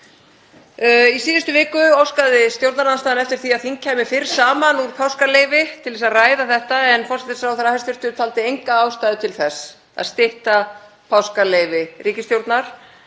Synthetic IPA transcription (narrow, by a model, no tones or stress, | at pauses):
isiːðɪst̪ʏvɪːkʏowskaðɪst̪jowɾt̪naɾanst̪aːðnɛft̪ɪɾ̥θiaðθiŋcʰɛmɪfɪɾ̥saːmanuɾ̥pʰawskaleːjvɪt̪ʰɪlðɛsaðraːjðaθɛht̪aɛnfɔrsɛt̪ɪ̥sɾawθɛɾahast̪ʏɾ̥t̪ʏt̪fʰalt̪ɪejŋkaaːwst̪ajðʏt̪ʰɪlθɛs | a̰ðst̪ɪht̪a | pʰawskalejvɪriːcɪst̪jowɾt̪naɾ̥